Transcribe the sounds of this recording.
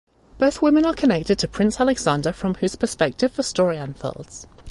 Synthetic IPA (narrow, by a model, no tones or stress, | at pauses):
b̥əʊθwɪmɪ̃nəkʰənɛk̚tɪd̚tʰəpʰɹ̥ɪ̃nsalɪɡz̥ɑ̃ndəfɹə̃mhʉz̥pʰəspɛk̚tɪv̥fəstɔɹiə̃nfɛ̰lˠdz̥